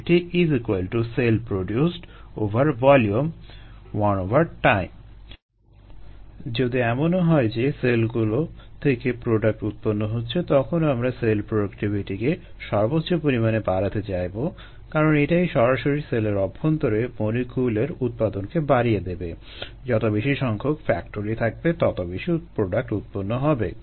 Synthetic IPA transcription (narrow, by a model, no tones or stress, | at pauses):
ʈiizikualʈuselpɾoɖjusʈovʱaɾvɔljumwɔnovaɾʈajm | d͡ʑod̪iɛmonɦɔed͡ʑeselɡulot̪ʰekepɾoɖak̚ʈut̪̚ponːoɦotːɕʰet̪ɔkʰonoamɾaselpɾoɖokʈibʱiʈike | ʃɔɾbotːɕopoɾimanebaɾat̪et͡ɕajbo | kaɾoneʈajʃɔɾaʃoɾiseleɾɔbʱːont̪oɾeponikʰuleɾut̪̚pad̪onkebaɾijed̪ebe | d͡ʑɔt̪obiʃiʃɔŋkʰokfɛ̰kʈoɾit̪ʰak̚bet̪ɔt̪obiʃipɾoɖak̚ʈut̪̚ponːoɦɔbḛ